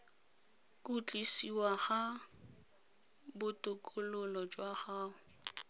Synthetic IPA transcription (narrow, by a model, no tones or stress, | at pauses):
kʼut͡ɬʼisiwaɣa | bʊtʼʊkʼʊlʊlɔd͡ʒwaχaːʊ